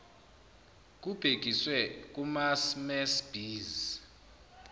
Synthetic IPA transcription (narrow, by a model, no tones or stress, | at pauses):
k̬ʼub̥ʱek̬ʼiswɛk̬ʼumasmɛsb̥ʱiːz